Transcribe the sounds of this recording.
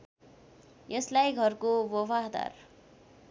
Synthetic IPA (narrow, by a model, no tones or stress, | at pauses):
jeslajɡʱʌrkobobʱaɦd̪a̰r